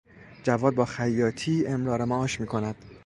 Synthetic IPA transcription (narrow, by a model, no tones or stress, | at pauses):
d͡ʒævɒːd̪̚bɒːxæjːɒːt̪ʰiːemɾɒːɾemæʔɒːʃmiːkʰo̞næd̪̥